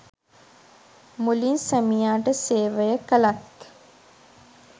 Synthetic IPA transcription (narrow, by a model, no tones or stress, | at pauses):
mulinsəmijaːʈəseːʋəjəkəlat̪